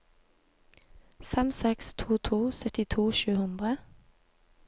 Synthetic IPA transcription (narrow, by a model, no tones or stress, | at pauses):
fɛmsɛkst̪ʰuːt̪ʰuːsœt̪ɪt̪ʰuːʃʉːhʉnd̪ʁə